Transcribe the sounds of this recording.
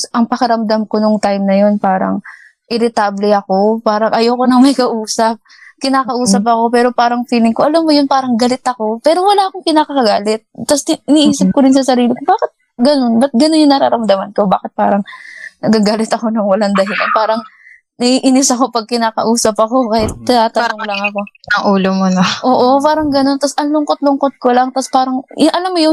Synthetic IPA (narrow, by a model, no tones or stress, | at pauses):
ʔɐŋpɐkɐɾɐmd̪ɐmko̞noŋt̪ajmnɐjo̞npaːɾɐ̰ŋ | ʔɪɾɪt̪ablɛɐko̞paːɾɐŋʔɐjoːko̞nɐŋmɐjkɐʔuːsɐp̚ | kɪnaːkɐʔuːsɐp̬̚ɐko̞pɛːɾo̞paːɾɐŋfiːlɪŋkoʔɐlamːojonpaːɾɐŋɡɐlɪt̪ɐko̞pɛːɾo̞wɐlaːʔɐko̞ŋkɪnaːkɐkɐɡaːlɛt̪̚t̪ːɐsɪniːʔiːsɪp̚ko̞ɾɪnsɐsɐɾiːlɪkobaːkɪt̪̚ | ɡɐno̞nbɐt̪̚ɡɐnonjʊŋnɐɾa̰ːɾɐmd̪ɐmɐnko̞ba̰ːkɪt̪̚pa̰ːɾɐŋnɐɡaɡaːlɪt̪ɐko̞nɐŋwɐlɐŋd̪ɐɦɪlɐpaːɾɐŋ | nɐʔiːʔɪnɪsɐko̞pɐɡ̚kɪnaːkɐ̰ʔuːsɐpɐko̞kaːhɪt̪̚ːɪnaːt̪ɐnoŋlɐŋɐko̞ɐŋʔuːlomonoʔoːʔo̞paːɾɐŋɡɐno̞nt̪ɐsʔɐŋlʊŋkot̪̚lʊŋkot̪̚kolɐŋt̪ɐspaːɾɐŋʔɐlamːojon